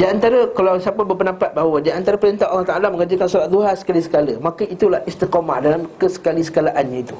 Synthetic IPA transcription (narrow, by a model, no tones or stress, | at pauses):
d͡ʒiant̪aɾəkalawsiapəbəpənampat̪̚baɦawadiant̪aɾapəɾint̪aʔalːaht̪aʔalamə̃ŋad͡ʒəkansuɾat̪̚d̪uɦasə̥kalisə̥kaləmãkəit̪ulahist̪ikoma̰hdaŋamkəsə̥kalisə̥kalaʔanɲãit̪u